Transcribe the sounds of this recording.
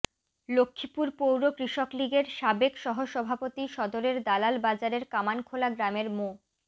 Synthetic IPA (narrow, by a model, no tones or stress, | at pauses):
lokʰːipuɾpowɾokɾiʃokliɡeɾʃabekʃɔɦoʃɔbʱapot̪iʃɔd̪oɾeɾd̪alalbad͡ʑaɾeɾkamankʰolaɡɾameɾmo